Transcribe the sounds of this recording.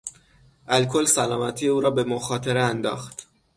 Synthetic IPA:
ʔælkʰo̞lsælɒːmæt̪ʰijeuːɾɒːbe̞moxɒːt̪ʰeɾeænd̪ɒ̰ːxt̪

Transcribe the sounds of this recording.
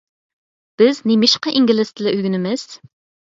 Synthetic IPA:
b̥ɪznimɪʃqɑʔiŋɡʲilɪst̪ʰɪlɛʔyɡʲynɪmɪz̥

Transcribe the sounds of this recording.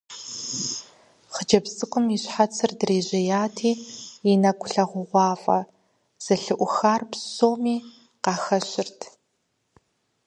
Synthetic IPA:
χəd͡ʒɐbsʼɨkʷʼʊmiɕħat͡sʰɨrdreːʑɐjaːtʰiːinɐkʷʰʼʊɬɐʁʷʊʁʷɑːfʼɐ̰ | z̥ɐɬɨʔʷʊxaːrpsoːmiː | qɑːxɐɕɪrtʰ

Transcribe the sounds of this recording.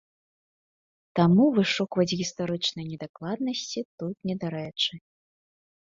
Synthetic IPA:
t̪amuvɨʂɔkvɐt͡sʲɣʲist̪aɾɨt͡ʂnɐjnʲɛd̪aklˠad̪̚nɐsʲt͡sʲit̪ut̪̚nʲɛd̪aɾɛt͡ʂɨ

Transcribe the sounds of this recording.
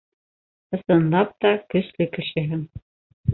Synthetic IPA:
ɤ̆sɤ̆nlˠɑp̚t̪ɑkɘ̆ʃlʲɘ̆kɘ̆ɕɘ̆ɦɘ̆m

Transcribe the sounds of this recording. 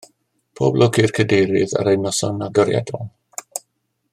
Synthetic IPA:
pʰoːblɔɡɪrkʰədejɾɪða̰ɾejnɔsɔnaɡɔɾja̰dɔl

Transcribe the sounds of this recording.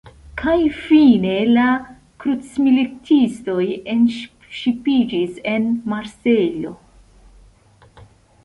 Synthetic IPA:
kʰajfine̞la | kɾut͡smilitʰisto̞je̞nʃ | ʃipid͡ʒise̞nmaɾseʎo̞̰

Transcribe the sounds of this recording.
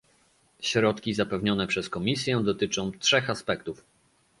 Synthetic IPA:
ɕɾɔt̪kʲizapɛvɲɔnɛpʂɛskɔmʲisʲjɛ̃d̪ɔt̪ɘt͡ʂɔ̃w̃tʂɛxaspɛkt̪uf

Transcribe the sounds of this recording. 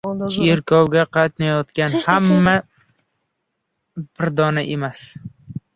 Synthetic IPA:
t͡ʃʰɾkʲʰɒwɡʲaqʰɑt̪najɒt̪kʲanhamːa | bɪɾd̪ɒnaʔemas

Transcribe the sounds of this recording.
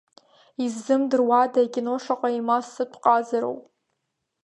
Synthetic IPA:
izːɨmdɨrwadaɡʲʼinoʂaqʼaimasɨtʷʰʼqʼazaɾo̰wpʼ

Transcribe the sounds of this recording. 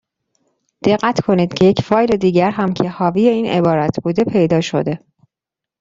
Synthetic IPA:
d̪̥e̞ɢːæt̪ʰkʰo̞niːd̪̥cʰe̞jecfɒːjle̞d̪iːɟæɾɦæmcʰe̞hɒːvije̞iːnʔe̞̰bɒːɾæt̪ʰbuːd̪e̞pʰe̞jd̪ɒːʃo̞̰d̪e̞

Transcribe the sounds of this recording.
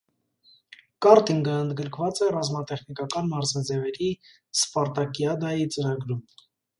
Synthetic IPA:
kɑɾt̪iŋɡəənd̪ɡəɾkʰvɑt͡sɛrɑzmɑt̪ɛχnikɑkɑnmɑɾzɑd͡zɛvɛɾi | spɑɾt̪ɑkjɑd̪ɑjit͡səɾɑɡɾum

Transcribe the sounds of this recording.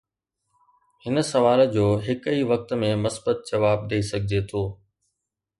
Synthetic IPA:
hɪnə̆sɐʋaːld͡ʑoːɦɪkiʋɐk̚t̪mẽmɐsbət̪̚d͡ʑɐʋaːb̚d̪eisɐɡʱɪd͡ʑeːt̪ʰoː

